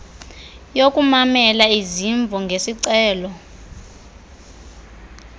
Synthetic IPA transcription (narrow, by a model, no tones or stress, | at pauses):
jokʼumamɛlaiziɱb̪vʱɔŋɡʱesiǀɛːlɔ